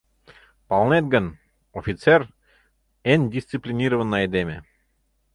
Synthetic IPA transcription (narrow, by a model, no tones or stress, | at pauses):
pɑlˠnet̪̚ɡə̆n | ofʲit̪ser | enʲdʲisʲt̪t͡siplʲinʲiɾəvə̆nːəejd̪emʲḛ